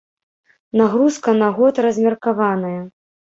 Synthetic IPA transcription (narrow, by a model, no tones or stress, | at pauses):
naɣɾuskɐnaɣɔt̪ɾɐzʲmʲɛrkavanɐjɐ